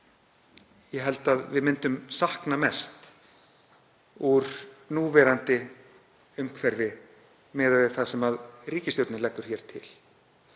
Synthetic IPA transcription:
jɛɦɛl̪t̪aðvɪðmɪnt̪ʏmsahknamɛst̪ | uɾ̥nuːvɛɾant̪ɪ | ʏmkʰvɛɾvɪ | mɛːðavɛɾ̥θasɛmaðriːcɪst̪owɾt̪nɪlɛkːʏɾ̥çɛɾ̥t̪ʰɪ̰l

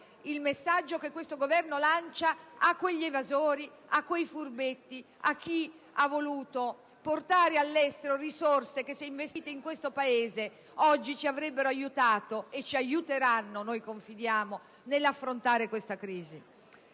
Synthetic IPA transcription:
ilmesːad͡ʒːokekːwest̪oɡovɛrnolant͡ʃaakːweʎːievazoːɾi | akːwejfurbet̪ːi | ak̟ːi | avːoluːt̪o | port̪aːɾealːɛst̪eɾorisorsek̟esːɛiɱvest̪iːt̪eiŋkwest̪opaeːze | ɔd͡ʒːit͡ʃiavɾɛbːeɾoajut̪aːt̪oet͡ʃːiajut̪eɾanːonojkoɱfid̪jaːmo | nelːafːɾont̪aːɾekwest̪akɾiːzi

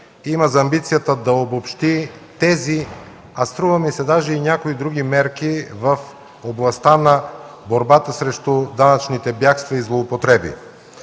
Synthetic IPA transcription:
imɐzɐmbit̪sijət̪əd̪ɐobopʃt̪it̪ɛzi | ɐst̪ɾuvɐmisɛd̪aʒɛinʲakoid̪ɾuɡ̟imɛɾkivɐf | oblˠɐst̪anɐ | boɾbat̪əsɾɛʃt̪ud̪anɐt͡ʃnit̪ɛbjakst̪vɐizlˠoːpot̪ɾɛbḭ

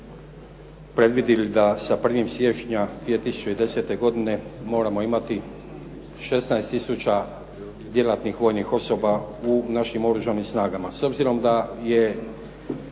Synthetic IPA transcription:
pɾe̞d̪ʋid̪ilid̪asapr̩ʋimsje̞ʃɲad̪ʋie̞t̪isu̥t͡ʃeid̪e̞se̞t̪e̞ɡo̞d̪ine̞mo̞ːɾamo̞imat̪i | ʃe̞snaest̪isut͡ʃa | d̪je̞lˠat̪nixʋo̞ːjnixo̞so̞baunaʃimo̞ɾuʒanimsnaːɡamaso̞bziɾo̞md̪aje̞

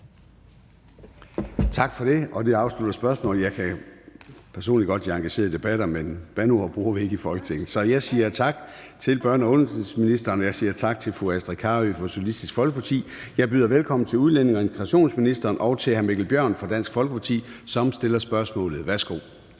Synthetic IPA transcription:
t͡sʰɑ̈ɡ̥fɒ̽ɾe̝ɒ̽d̥eɑ̈ʊslud̥ɐsb̥ɶɐsmɔ̰̽ːljɑ̈ɪkʰæ | pʰæɐso̝̰ːnliɡ̥ɒ̽d̥d̥iɑ̈ŋɡ̥æɕe̝̰ːɐid̥e̝b̥æɾ̥ɐmenb̥ænuɐb̥ʁuːɐʋie̝ɡ̥əifɒ̽lɡ̥ət͡sʰeɡ̥n̩sɒ̽jɑ̈ɪsiːɐt͡sʰɑ̈ɡ̥t͡sʰe̝lb̥ɶɐ̰nɒɔnssminisd̥ɐːnjɑ̈ɪsiːɐt͡sʰɑ̈ɡ̥t͡sʰe̝lfʁuæsd̥ʁikʰɑ̈ːʋyfɒ̽solisd̥isɡ̥fɒ̽lɡ̥əpʰɑ̈t͡sʰḭː | jɑ̈ɪb̥yðˠɐʋelkʰɒ̽mn̩t͡sʰe̝uðˠlene̝ŋɐe̝nsʰɡ̥ʁɑɕo̝̰ːnsminisd̥ɐːnʔɒ̽ʊt͡sʰe̝hænme̝ɡ̥l̩b̥jɶɐ̰nfɒd̥æn̰sɡ̥fɒ̽lɡ̥əpʰɑ̈t͡sʰḭːsɒ̽msd̥e̝lɐsb̥ɶɐsmɔ̰̽ːlð̩ˠʋæɐsɡ̥o̝̰ː

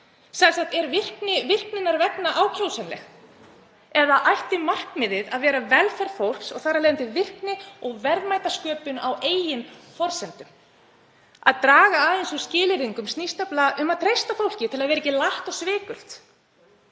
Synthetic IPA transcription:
sasaxt̪ɛɾvɪr̥knɪvɪr̥knɪnːaɾvɛknaʔaːwcʰɾowsɛnlɛ̰x | ɛðaʔajht̪ɪmar̥kmɪðɪðaðvɛːɾavɛlfɛɾfowl̥ksɔɣθaɾaleːðɪnt̪ʰɪvɪr̥knɪɔɣvɛɾðmajt̪askœːpʏnawʔeːjɪmfɔɾsɛnt̪ʏm | a̰ðt̪ɾaːɣaːðensu̥scɪːlɪɾiŋkʏmst̪nist̪aplaʔʏmaðt̪ʰɾejst̪afowl̥cɪt̪ʰɪlaðvɛːɾecɪlaht̪ɔɣsvɪːkʏl̥t̪

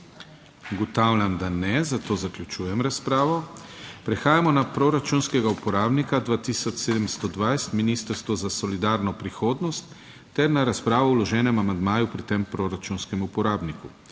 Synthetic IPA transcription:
ɡɔt̪aːwlʲjamd̪anɛzat̪oːzaklʲut͡ʃuːjɛmɾaspɾaːʋɔpɾɛxaːjamɔnapɾoɾat͡ʃunskɛɡaupɔɾaːbnikad̪ʋaːt̪isɔt͡ʃseːd̪ɛmst̪ɔd̪ʋajst̪miniːst̪əɾst̪ʋɔzasɔlid̪aːɾnɔpɾixoːd̪nɔst̪ː | ɛɾnaɾaspɾaːʋɔulɔʒɛːnɛmamand̪maːjupɾit̪empɾoɾat͡ʃunskɛmupɔɾaːbniku

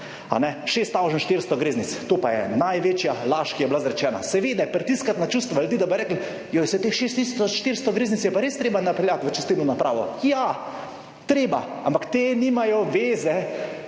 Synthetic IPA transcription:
a̰nɛʃeːst̪ːawʒənʃt̪iɾst̪ɔɡɾeːznit̪st̪oːpajɛ̰najʋeːt͡ʃjalaːʃkijɛblazɾɛt͡ʃɛːna̰sɛʋeːd̪ɛpɾɛt̪iskat̪nat͡ʃuːst̪ʋɔlt̪id̪abɔɾɛːkl | jojɛsɛt̪exʃest̪ist̪ɔʃt̪iɾst̪ɔɡɾeːznit̪sjɛpaɾeːst̪ɾeːbanapɛljat̪ʋət͡ʃɛst̪it̪nɔnapɾʔa̰ːʋɔ̰ja | t̪ɾeːba̰ampakt̪eːniːmajɔʋeːzɛ

